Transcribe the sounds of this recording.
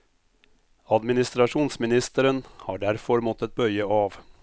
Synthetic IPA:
ɑd̪mɪnɪst̪ɾɑʂuːnsmɪnɪst̪əɾənhɑːɖæɾfɔɾmɔt̪ɛt̪̚bœʏəɑːʋ

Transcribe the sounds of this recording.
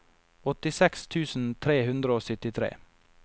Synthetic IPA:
ɔt̪ɪsɛkst̪ʰʉːsn̩t̪ʰɾeːhʉnd̪ɾəoːsʏt̪ɪt̪ʰɾḛː

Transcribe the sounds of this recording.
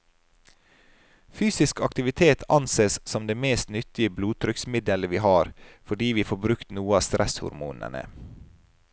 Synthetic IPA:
fyːsɪskɑkt̪ɪʋɪt̪ʰeːt̪ʰɑnseːssɔmd̪eːmeːst̪nʏt̪ɪəbluːt̪ʰɾʏksmɪd̪ələʋiːhɑːɾfɔɖiːʋiːfoːbɾʉkt̪nuːəɑːst̪ɾʔɛshʊ̰ɾmṵːnə̰ɳə̰

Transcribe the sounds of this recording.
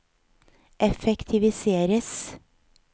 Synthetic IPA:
ʔɛfɛkt̪ʰɪʋɪseːɾəs

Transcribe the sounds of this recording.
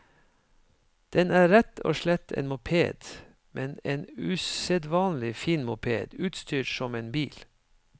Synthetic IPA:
d̪̥ɛnæːɾɛt̪ʰo̰ːʃɭɛt̪ʰḛːnmʊpʰeːd̪̥ | mʔɛneːnʉsɛd̪ʋɑːnlɪfiːnmʊpʰḛːd̪̥ʉːt̪st̪ʰyːʈsɔmeːnbiːl

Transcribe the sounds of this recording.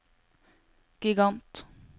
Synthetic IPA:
ɡ̥ɪɡɑnt̪

